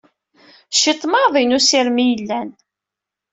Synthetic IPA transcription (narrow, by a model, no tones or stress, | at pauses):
ʃit̪ˤːmɑðˤinusiɾmijəlːæn